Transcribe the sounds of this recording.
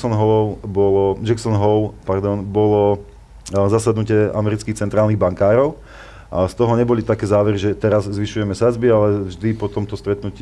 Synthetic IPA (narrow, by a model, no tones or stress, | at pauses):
sɔnɦɔɔʊbɔlɔd͡ʒɛksɔnɦɔʊpaɾd̪ɔnbɔlɔ | zasad̪nucɪɛʔa̰mɛɾit͡skixt͡sɛnt̪ɾaːlˠniɣbaŋkaːɾɔʊ | st̪ɔɦɔɲɛbɔlit̪akɛːzaːʋɛɾiʒɛt̪ɛɾazzʋiʃujɛmɛsad͡zbialɛvʒd̪ipɔt̪ɔmt̪ɔst̪ɾɛt̪nuci